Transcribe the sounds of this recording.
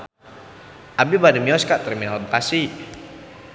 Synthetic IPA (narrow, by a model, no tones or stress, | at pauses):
ʔabibadəmiɔskaʔt̪ərminalbəkasi